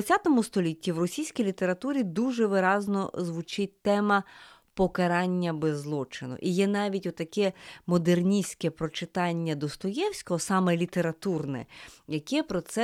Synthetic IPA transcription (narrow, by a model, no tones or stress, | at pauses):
ɐt͡sʲat̪ɔmʊst̪ɔlʲitʲːiwrɔsʲijsʲkʲijlʲit̪eɾɐt̪uɾʲid̪uʒɛʋɪɾɑznɔ̰zʋʊt͡ʃɪt̚ʲt̪ɛmɐ | pɔkɐɾɑnʲːɐbɛzlˠɔt͡ʃɪnʊ̰ʔijɛnɑʋʲitʲɔt̪ːɐkɛmɔd̪ernʲisʲkɛpɾɔt͡ʃɪt̪ɑnʲːɐd̪ɔst̪ɔjɛwsʲkɔɦɔsɑmɛlʲit̪eɾɐt̪urnɛ̰jɐkɛpɾɔt̪sɛ